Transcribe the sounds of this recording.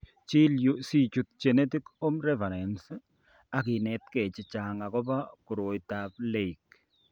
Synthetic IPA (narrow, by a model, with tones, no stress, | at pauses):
t͡ʃi˦ljusi˦˨t͡ʃu˨t̚t͡ʃɛ˨nɛ˦ti˦ko˦mɾɛ˦fa˨ɾɛ˨ns | a˨k̬i˨nɛ˨tkɛ˨t͡ʃɪ˨t͡ʃa˨ŋa˨kɔ˦ba˦ku˨ɾo˨jta˦p̚le˦˨i˨k